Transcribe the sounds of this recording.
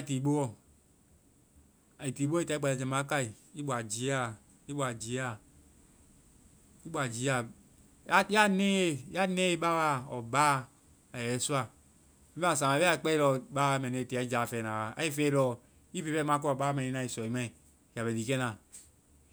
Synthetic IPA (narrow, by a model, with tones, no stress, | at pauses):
a˦˨ti˨bo˦o˦˨ | a˨i˨ti˨bo˦i˦ta˨˦i˦a˨a˨d͡ʒe˨ma˨˦ka˦i˨ | i˦bʷa˨d͡ʒi˨˦a˦ | i˦ba˨d͡ʒi˨˦a˦ | i˦bʷa˨d͡ʒi˨ja˦ | a˦ne˦ja˦ne˦i˦ba˦wa˦o˨ba˦ | a˨jɛ˨˦su˦a˦ | i˦a˦˨sa˨ma˨˦e˦a˦˨k͡pɛ˦ɾɔ˨˦ba˦me˨ne˨ti˨a˨˦d͡ʒa˨fe˨na˨wa˨a̰˨˦i˦fe˦ɾɔ˦ | i˦fi˦βɛ˦m˦a˦kɔ˦˨ba˦e˨i˦a˦i˨sɔ˨i˨mɛ˦˨ | ja˨βɛ˨di˨ke˦na˨